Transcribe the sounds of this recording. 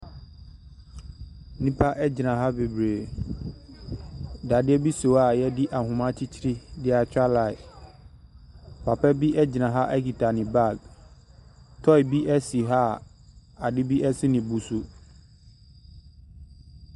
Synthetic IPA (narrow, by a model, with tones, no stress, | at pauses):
nĩ˦pʰa˦ʔɛ˦d͡ʑɪ˨nã˨ɦa˦be˨bɾeː˨ | da˨dɪ˦ɛ˦bi˦so˨a˨jɛ˦dɪ˦ʔa˨ɦʊ̃˨mã˦t͡ɕʰi˦t͡ɕʰi˦ɾi˦dɪ˦a˨t͡ɕᶣa˦la˨ɪ˨ | pʰa˨pɛ˦bi˦ʔɛ˦d͡ʑɪ˨nã˨ɦa˦ʔɛ˦ki˨tʰa˨nɪ̃˨ba˦˨ɡ̚ | tʰɔ˦ɪ˨bi˦ʔɛ˦si˨ɦa˦ | a˨dɪ˦bi˦ʔɛ˦sɪ˦nɪ̃˨bu˨su˦